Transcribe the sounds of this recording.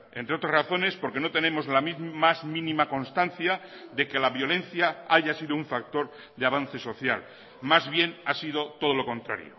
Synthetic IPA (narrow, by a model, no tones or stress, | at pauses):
ent̪ɾeo̞t̪ɾasraθo̞ne̞spo̞ɾke̞no̞t̪e̞ne̞mo̞zlamimazmĩnĩmako̞nst̪anθjaðe̞ke̞laβjo̞le̞nθjaaʝasið̞ouɱfak̚t̪o̞ɾ | ðeaβ̞an̟θe̞so̞θja̰l | mazβje̞nasið̞o̞t̪o̞ð̞olo̞kõ̞nt̪ɾa̰ɾjo̰